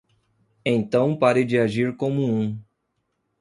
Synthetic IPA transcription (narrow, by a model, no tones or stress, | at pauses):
ẽnt̪ɐ̃w̃paɾed͡ʒɪaʒiɾkõmʊũ